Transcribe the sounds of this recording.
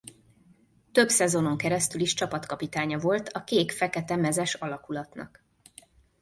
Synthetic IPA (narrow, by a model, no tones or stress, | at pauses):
t̪ø̞bsɛzo̞no̞ŋkɛɾɛst̪yliʃt͡ʃɒpɒt̪kɒpit̪aːɲɒvo̞lt̪ʰɒkeːkfɛkɛt̪ɛmɛzɛʃɒlɒkulɒt̪nɒ̰k